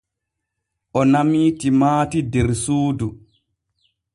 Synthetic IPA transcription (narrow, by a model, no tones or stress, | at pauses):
ʔɔnamiːtimaːtidɛɾsuːdu